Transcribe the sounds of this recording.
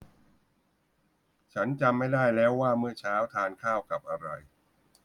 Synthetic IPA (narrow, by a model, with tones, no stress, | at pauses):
t͡ɕʰa˦˥nt͡ɕa˧mːa˥˩jdaː˥˩jlɛː˦˥wːaː˥˩mɯ˥˩ɐt͡ɕʰaː˦˥wt̪ʰaː˧nkʰaː˥˩wka˨˩p̚ʔa˧ɾa̰˧j